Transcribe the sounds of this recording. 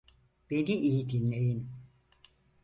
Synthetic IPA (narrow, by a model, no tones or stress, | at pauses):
b̥e̞niʔiːd̪inlejin